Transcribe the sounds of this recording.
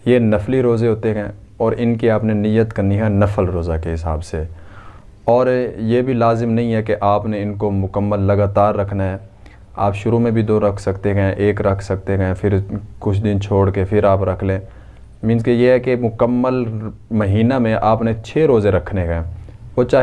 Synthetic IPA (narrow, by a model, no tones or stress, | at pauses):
jenɐfliɾoːzeɦoːt̪eɦɛ̃ː | ɔːɾɪnkiaːpnenijət̪kɐɾniɦɛ̃nɐfəlɾoːzakeɦɪsa̰ːbse | ɔːɾjebʱilaːzɪmnɐɦĩɦɛkeʔaːpneɪnkomʊkəmːəlːɐɡaːt̪aːɾːɐkʰnaɦɛː | aːpʃʊɾumẽbʱid̪oːɾɐkʰsɐkt̪eɦɛ̃ʔeːkɾɐkʰsɐk̚t̪eɦɛ̃pʰɪɾkʊt͡ʃʰd̪ɪnt͡ʃʰoːɽkepʰɪɾaːpɾɐkʰlẽː | mɪ̃nskejeɦɛkemʊkəmːəlmɐɦiːnamẽʔaːpnet͡ʃʰeːɾoːzeɾɐkʰnekɛ̃oːt͡ʃaː